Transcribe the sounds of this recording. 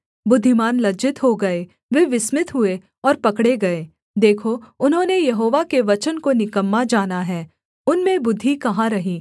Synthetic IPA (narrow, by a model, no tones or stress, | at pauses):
bʊd̪ʱːɪmaːnlɐd͡ʒɪt̪ɦoɡɐe | ʋeʋɪsmɪt̪ɦʊe | ɔːɾpɐkɽeɡɐeː | d̪eːkʰoʊnɦõːnejɐɦoːʋakeʋɐt͡ʃənkonɪkəmːad͡ʒaːnaɦɛː | ʊnmẽbʊd̪ʱːikɐɦãɾɐɦiː